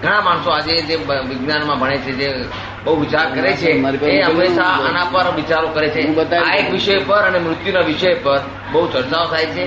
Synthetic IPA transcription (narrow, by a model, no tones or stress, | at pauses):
ɡʱəɽ̃ãmaɳsoad͡ʒed͡ʒeʋiɡnanmãbʱəɽ̃et͡ʃʰed͡ʒe | bəɦuʋit͡ʃaɾkəɾet͡ʃʰemaɾieɦəmːeʃaənãpəɾʋit͡ʃaɾokəɾet͡ʃʰẽət̪aaekʋiʃəjpəɾənemɾʊt̪junaʋiʃəjpəɾ | bəɦut͡ʃəɾt͡ʃaot̪ʰajt͡ʃʰe